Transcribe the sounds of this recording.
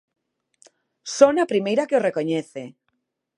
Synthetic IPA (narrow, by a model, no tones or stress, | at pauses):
sonapɾimejɾakeorekoɲeθe